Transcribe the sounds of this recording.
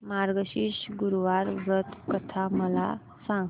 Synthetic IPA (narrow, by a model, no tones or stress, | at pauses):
maɾɡəɕiɕɡuɾʋaɾʋɾət̪kət̪ʰaməla | sãŋɡ